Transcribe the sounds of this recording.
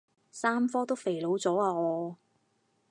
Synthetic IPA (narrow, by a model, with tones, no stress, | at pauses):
saː˥mfɔː˥t̪o˥wfe˨˩jlo˨˥wt͡sɔː˨˥aː˧ŋɔː˨˧